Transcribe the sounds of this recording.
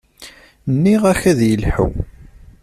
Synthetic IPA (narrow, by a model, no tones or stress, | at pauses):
nːiʁæçæðjəlħə̰w